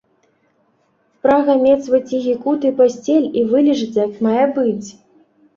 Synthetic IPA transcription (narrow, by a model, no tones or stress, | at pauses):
spɾaɣɐmʲɛt̪svɐt͡sʲiɣʲikut̪ɨpasʲt͡sʲelʲivɨlʲiʐɨt͡sʲjɐkmajɛbɨt͡sʲ